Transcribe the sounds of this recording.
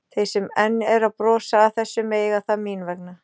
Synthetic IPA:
θejsɛmɛnːɛɾaðpɾɔːsaːθɛsːʏmeːjɣaθamiːnvɛkna

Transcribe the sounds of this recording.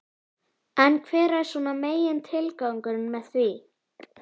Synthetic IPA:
ɛnkʰvɛːɾaɛɾ̥sunameːjɪnt̪ʰɪlkawŋkʏɾɪnmɛðθvi

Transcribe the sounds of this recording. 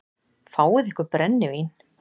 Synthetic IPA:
faːwɪðɪhkʏɾpɾɛnːɪvin

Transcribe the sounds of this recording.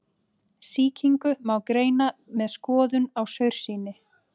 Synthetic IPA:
siːcʰiŋkʏmawkɾeːjnamɛðskɔːðʏnawsœɥɾ̥siːnɪ

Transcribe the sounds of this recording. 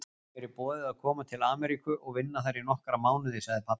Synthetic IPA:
ɛɾɪpɔːðɪaðkʰɔːmat̪ʰɪlaːmɛɾikʏʔɔɣvɪnːaθajɾinɔhkɾamaːwnɪðɪsaɣðɪpʰa

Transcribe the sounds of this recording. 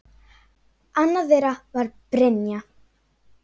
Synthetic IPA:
anːaðejɾavaɾpɾɛnja

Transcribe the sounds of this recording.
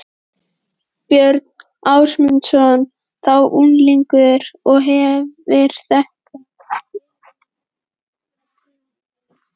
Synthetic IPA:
pjœɾt̪n̥ | awsmʏnt̪sɔn | θawʔunliŋkʏðɪɾ̥ɔɣɦɛvɪɾ̥θɛhka

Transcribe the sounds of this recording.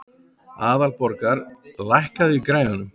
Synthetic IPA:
aːðalpɔɾkaɾlajhkaðɪikɾaːjanʏm

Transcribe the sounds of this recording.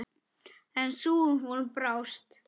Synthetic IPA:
ɛnsuːvɔlpɾawst̪

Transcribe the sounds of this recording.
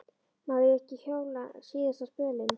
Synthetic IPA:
maðɪɛhcɪçjoːwlasiːðɛsaspœːlɪn

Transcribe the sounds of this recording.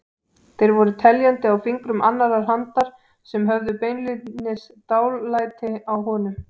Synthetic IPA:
θejɾvɔɾʏt̪ʰɛljant̪ɪawfiŋkɾʏmʔanːaɾaɾ̥ɦant̪aɾ̥ | sɛmɦœvðʏpeːjnlɪt̪nɪst̪aːwlːajt̪ɪawɦɔːnʏm

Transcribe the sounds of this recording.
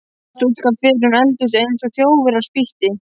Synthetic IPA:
st̪ut̪kafɪɾʏnɛlt̪ʏsejnsɔθjoːwvɪɾaspiht̪ɪ

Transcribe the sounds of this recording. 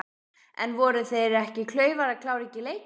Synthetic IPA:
ɛ̰nvɔɾʏθejɾɛhcɪkʰlœːɥvaɾakʰlaːwɾɛcɪleːj

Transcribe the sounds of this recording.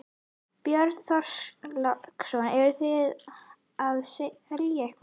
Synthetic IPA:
pjœɾðθɔr̥slɔksɔnɛɾʏθɪð | aðseɛljaɛhkv

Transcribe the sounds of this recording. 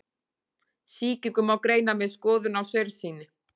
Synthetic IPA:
siːcɪkʏmawkɾeːjnamɛðskɔːðʏnawsœɥɾsiːnɪ

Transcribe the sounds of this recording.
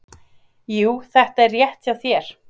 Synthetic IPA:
juːθɛht̪aɛrːjɛht̪sawθjɛɾ̥

